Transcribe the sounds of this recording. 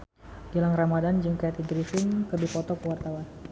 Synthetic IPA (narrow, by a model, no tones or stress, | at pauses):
d͡ʒilaŋramadand͡ʒəŋkajat̪id͡ʒɾifɪŋkərdipɔt̪ɔkəwart̪awan